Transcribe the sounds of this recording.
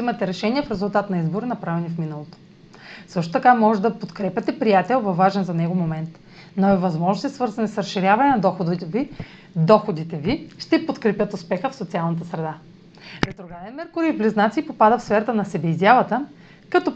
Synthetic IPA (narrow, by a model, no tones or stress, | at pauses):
zimɐt̪ɛɾɛʃɛniɛfɾɛzʊlˠt̪at̪nɐizboɾinɐpɾavɛnifminəlˠot̪o̥ | sɤʃt̪ot̪ɐkamɔʒɛd̪ɐpot̪kɾɛpʲɐt̪ɛpɾijat̪ɛlˠvɐvːaʒɛnzɐnɛɡomomɛnt̪ | noɛvɐzmɔʒnosisvɤɾzɐnɛsɾɐsʃːiɾʲavɐnɛnɐd̪ɔxod̪it̪vi | d̪ɔxod̪it̪ɛviʃt̪ɛpot̪kɾɛpʲjət̪ʊspɛxəfsot̪sialˠnət̪̬əsɾɛd̪a | ɾɛt̪ɾoɡanɛnmɛɾkʊɾiiblɛznat̪sipopad̪əfsfɛɾɐt̪ənɐsɛbɛizʲjavˠɐt̪ə | kɐt̪ɔ